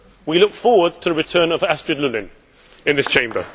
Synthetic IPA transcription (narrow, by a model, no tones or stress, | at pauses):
wilʊkfɔɹwəd̚tʰəɹɪtʰɜːnəvæstɹ̥ədˡlʉlɪ̃n | ɪ̃nðɪst͡ʃʰẽɪ̃mbə̰